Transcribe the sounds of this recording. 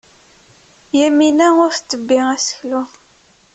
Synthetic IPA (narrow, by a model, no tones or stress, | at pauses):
jæminæʊɾθt͡s̪ːəbːiʁæsə̥çlu